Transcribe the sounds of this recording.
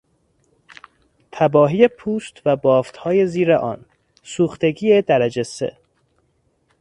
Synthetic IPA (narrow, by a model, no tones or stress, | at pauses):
t̪ʰæbɒːɦiːje̞pʰuːst̪væbɒːft̪hɒːjeziːɾeʔɒ̰ːn | suːxt̪e̞ɡiːed̪æɾæd͡ʒesḛ